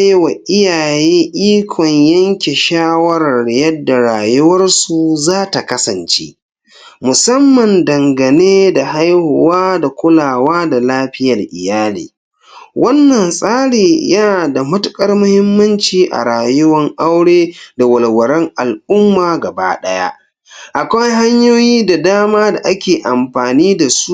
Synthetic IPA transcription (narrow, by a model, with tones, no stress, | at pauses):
jwa˨ʔɪ˦jaː˨jeː˦ʔiː˦kʷʰɔ˨ɲjɐ˦ŋkʲe˨ʃaː˦wɐ˦ɾɐ˨rjɐ˦dːa˨ɾaː˨jʊ˦wɐ˦rsu˨zaː˦ta˨kɐ˦sɐ˨nt͡ʃḛː˦ | mʊ˨sɐ˦mːɐ˨ndɐ˨ŋɡɐ˨neː˦da˨ha˦jhʊ˨waː˦da˨kʷʊ˦laː˨waː˦da˨laː˦ɸɪ˦jɐ˨rʔɪ̰˨jaː˦lḭː˨ | wʔɐ˦nːɐ˨nsʼaː˦ɽeː˨ja˦˨da˨mɐ˦tʊ˦kʼɐ˦rmʊ˦hɪ˦mːɐ˦nt͡ʃiː˨ʔa̰˨ɾaː˨jʊ˦wɐ˦ŋʔa˦wɽeː˦da˨wɐ˨lwɐ˨ɾɛ˦ŋʔa˨lʔʊ˦mːaː˨ɡɐ˨ba̰ː˦ɗɐ˦ja̰ː˦ | ʔa˨kʷa˦jɦa˦ɲjoː˦jiː˦da˨daː˦maː˦da˨ʔa˦kʲeː˨ʔa˨mɸaː˨niː˦da˨su˦